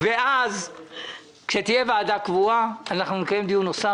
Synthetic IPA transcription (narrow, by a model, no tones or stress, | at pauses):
veʔaz | kʃet̪ijevaːdakvuaːnaχnunikaje̞md̪ijunosa